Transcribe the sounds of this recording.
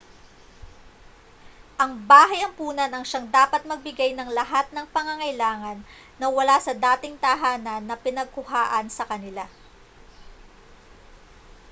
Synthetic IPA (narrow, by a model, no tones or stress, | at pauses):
ʔɐŋbaːɦɐjɐŋpuːnɐnɐŋʃaŋd̪aːpɐt̪̚mɐɡ̚bɪɡajnɐŋlɐɦat̪̚nɐŋpɐŋɐŋɐjlaːŋɐnː | ɐwɐlasɐd̪aːt̪ɪŋt̪ɐɦaːnɐnːɐpɪnɐɡ̚kʊhaːʔɐnsɐkɐnɪla